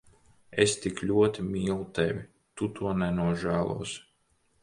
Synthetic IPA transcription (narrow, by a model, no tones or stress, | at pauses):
est̪iklʲuɔt̪imʲiːlˠut̪ɛvʲi | t̪ut̪ʰuɔnɛnuɔʒæːlˠṵɔs